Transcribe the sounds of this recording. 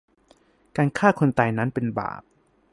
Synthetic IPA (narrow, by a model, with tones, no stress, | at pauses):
kaː˧nkʰaː˥˩kʰo˧nt̪a˧jna˦˥npe˧nba̰ː˨˩p̚